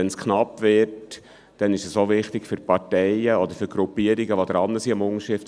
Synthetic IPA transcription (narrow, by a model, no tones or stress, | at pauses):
ɛnskʰnɑpːvɪt | d̥ɛnɪʃɛsoʋɪχtɪɡ̥fʏɾpɑtɛɪəɔd̪əɾfʏɾɡɾupːiəɾiɡəʋod̥̪əɾɑnːəsiɑmʊŋəʃɪft